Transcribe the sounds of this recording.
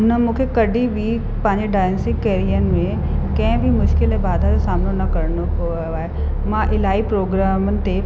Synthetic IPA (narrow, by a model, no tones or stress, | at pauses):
nəmũːkʰekɐɖʱibʱi | pɐ̃ɦɪ̃ɲd͡ʑeɖaːjnsɪkːeːɾijənɪ̆mẽ | kɐ̃ɦɪ̃bʱimʊʃkɪlẽbaːd̪ʱaosaːmnonɐkɐɾno | oaːɦe | mãʔɪlaːipɾoːɡɾaːmənɪ̆t̪ʰe